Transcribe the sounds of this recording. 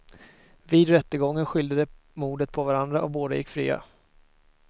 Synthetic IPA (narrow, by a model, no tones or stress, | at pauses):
viːd̪ɾɛt̪ːəɡɔŋːənɧʏld̪əd̪ə | muːɖ̪ət̪̚pʰɔvaɾand̪ɾaʔɔboːd̪ajɪ̰kːfɾḭːa̰